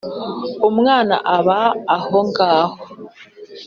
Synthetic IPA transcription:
omŋwaːna̰ʔaβaːhoŋɡaːho

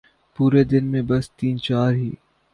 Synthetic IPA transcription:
puːɾed̪ɪnmẽbɐst̪iːnt͡ʃaːɾɦḭː

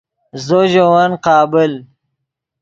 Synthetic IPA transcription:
zoʑowanqɑːbɪl

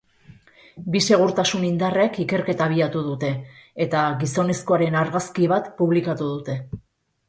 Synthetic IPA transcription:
bise̞ɣ̞uɾt̪asunind̪arekike̞ɾke̞t̪aβ̞iat̪uðut̪e̞ːt̪aɣiso̞ne̞sko̞aɾe̞naɾɣaskiβ̞at̪puβlikat̪uðut̪e̞

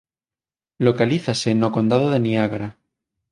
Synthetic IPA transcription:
lokaliθase̞nːoko̞nd̪aðoðe̞niaɣɾa

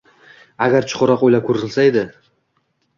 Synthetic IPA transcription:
aɡʲaɾt͡ʃʰʊ̥qʊɾɑqojlakʰɵɾɪlsaed̪ɪ

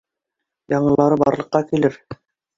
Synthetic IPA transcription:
jɑɴɤ̆lˠɑɾɤbɑ̰ɾlˠɤ̆qːɑkilɘɾ

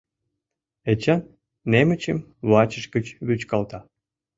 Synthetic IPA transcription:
et͡ɕɑn | nemət͡ɕə̰m | βɑt͡ɕəʃkət͡ɕβyt͡ɕkɑlt̪ɑ

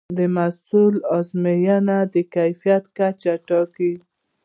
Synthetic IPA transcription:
d̪əmasulɔzmejanad̪əkajfijat̪kat͡ʃaʈɑki

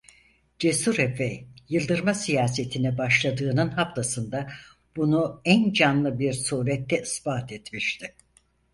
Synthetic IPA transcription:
d͡ʒesuɾɛfɛjjɯlˠd̪ɯɾmasijaːset̪ʰinɛbaʃlˠad̪ɯːnɯnɦaft̪ʰasɯnd̪a | b̥unuænd͡ʒanlˠɯbiɾsuːɾɛt̪ːɛisbaːt̪ʰet̪miʃt̪ʰɪ

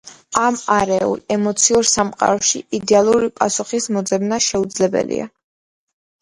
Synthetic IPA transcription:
amaɾɛṵlɛmɔt̪sʰiuɾsamqʼa̰ɾɔʃiid̪ɛalˠuɾipʼasuχismɔd̪zɛbnaʃɛud̪zlɛbɛ̰lḭa̰

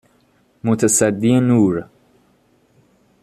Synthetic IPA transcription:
mot̪ʰasæd̪ːienuːɾ

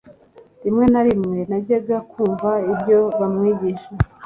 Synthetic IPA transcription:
dimŋe̞naɾimŋe̞naɟeɡakuːɱvaibɟo̞βamŋiːɟiʃe

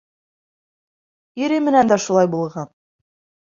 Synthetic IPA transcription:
iɾɘmɘ̆nænd̪æʃulˠɑjbulˠʁɑn

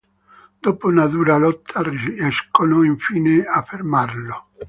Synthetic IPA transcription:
d̪oːpounad̪uːɾalɔt̪ʰːarɛskonoiɱfiːneafːermarlo

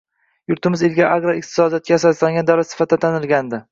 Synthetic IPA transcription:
jʊɾt̪ʰɪmɪzelɡʲaʔaɡɾaɪq̚t̪ʰɪ̥sɒd̪ijat̪̚kʲaasaɾslaŋʲɡʲand̪awlat̪sɪ̥fat̪̚ːat̪ʰanɪlˠɡʲand̪ɪ

